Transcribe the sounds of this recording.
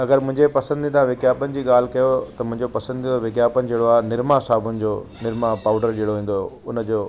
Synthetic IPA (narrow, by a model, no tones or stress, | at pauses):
ɐɡəɾmʊ̃ɦɪ̃ɲd͡ʑepɐsə̃nd̪it̪ʰãʋɪkjaːpənɪ̆d͡ʑiːɠaːl̤ɪkɐjot̪ɐmʊ̃ɦɪ̃ɲd͡ʑopɐsə̃nd̪it̪oʋɪkjaːpənɪ̆d͡ʑeːɽoaːnɪɾmasaːbʊnɪ̆d͡ʑoːnɪɾmapaːʊɖəɾd͡ʑeːɽoɦĩːn̆d̪o | ʊnəd͡ʑoː